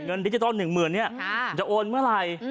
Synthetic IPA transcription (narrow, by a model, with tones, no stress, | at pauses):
ŋə˧nɗi˧˩t͡ɕi˧˩t̪ɔː˧nːɯ˨˩ŋmɯː˨˩ənːi˦˥˩ə˨˩t͡ɕa˧˩ʔo˧nmɨː˦˥˩laː˨˧˩j